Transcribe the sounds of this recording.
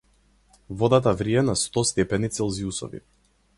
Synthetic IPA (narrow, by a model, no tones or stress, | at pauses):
vɔd̪at̪avɾiɛnast̪ɔst̪ɛpɛnit̪sɛlˠziusɔ̰vḭ